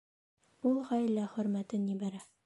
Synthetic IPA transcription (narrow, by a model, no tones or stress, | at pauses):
ulˠʁɒjlːæχɵ̆ɾmæt̪ɘnibæɾæ